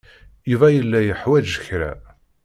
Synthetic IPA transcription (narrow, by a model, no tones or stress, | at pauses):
juvæjəlːæjəħwæd͡ʒəçɾæ̰